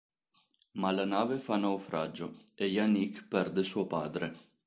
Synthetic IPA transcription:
malanaːvefanawfɾa̰d͡ʒːoejanikpɛrd̪esuopa̰ːd̪ɾe

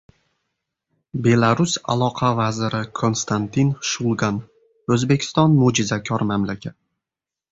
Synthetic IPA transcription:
be̞lˠaɾʊsa̰lˠɒqʰavazɪɾɪkʰo̞nst̪ʰant̪ʰinʃulˠɡan | ɵzbekʲʰɪ̥st̪ɒnmod͡ʒɪzakʲʰɒɾmamlakʲʰat̪̚

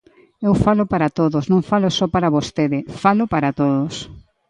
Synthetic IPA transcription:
ewfalʊpaɾat̪oðosnõŋfalʊsɔpaɾaβost̪eðɪfalʊpaɾat̪oðʊs

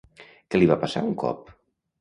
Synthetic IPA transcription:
keliβapasa̰uŋkɔ̰p

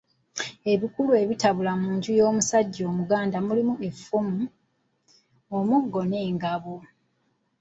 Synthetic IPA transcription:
e̞βikulue̞βitaβulamuːɲɟujo̞ːmusaɟːo̞ːmuɡaːndamulimuʔe̞fumu | omuɡːo̞ne̞ːŋɡaβo

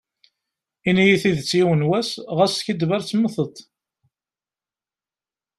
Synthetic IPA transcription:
inijiθiðt͡sːiwənwæsʁæsçid̪væɾt͡sːməθət̪ˤ

